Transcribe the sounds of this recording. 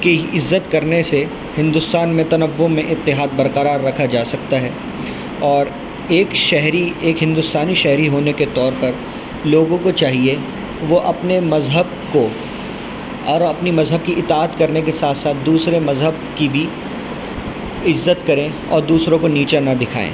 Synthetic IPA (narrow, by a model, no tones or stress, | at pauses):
keɪzːət̪kɐɾnese | hɪ̃nd̪ʊst̪aːnmẽt̪ɐnəʋːomẽʔɪt̪ːɪɦaːd̪̚bɐɾqəɾaːɾːɐkʰad͡ʒaːsɐk̚t̪aɦɛː | ɔːɾ | eːkʃɛɦɾieːkɦɪ̃nd̪ʊst̪aːniʃɛɦɾiɦoːneket̪ɔːɾpɐɾ | loːɡõkot͡ʃaːɦie | ʋoʔɐpnemɐzɦəb̚ | ko | ɔːɾɐpnimɐzɦəb̚kiʔɪt̪aːət̪kɐɾnekesaːt̪ʰsaːt̪̚ʰd̪uːsɾemɐzɦəb̚ | kibʱi | ɪzːət̪kɐɾẽ | ɔ̰ːɾd̪uːsɾõkoniːt͡ʃanɐd̪ɪkʰa̰ːḛ̃ː